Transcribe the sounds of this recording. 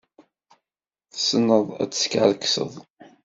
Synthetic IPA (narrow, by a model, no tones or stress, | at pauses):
θəsənːəðˤæ̰t͡sːə̥sə̥kʕəlksə̰ðˤ